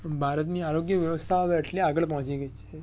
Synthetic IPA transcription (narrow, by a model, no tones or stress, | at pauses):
bʱaɾət̪niaɾoɡjəʋjəʋəst̪ʰaɦəʋeəʈliaɡəɭpɔɦt͡ʃiɡəit͡ʃʰe